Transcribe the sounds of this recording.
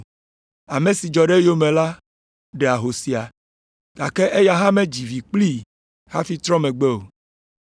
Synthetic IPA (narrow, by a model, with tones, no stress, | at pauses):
a˨mẽ˨si˨d͡ʒɔ˨ɖe˦jo˦mẽ˨la˦ | ɖe˨a˨ɦo˨si˨a˨ | ɡ̥a˨ke˦ʔe˦ja˦ɦã˦mẽ˦d͡ʑi˨vi˨k͡pli˦ | ha˦fi˦t̪ɾɔ̃˦mẽ˨ɡ͡be˦o˨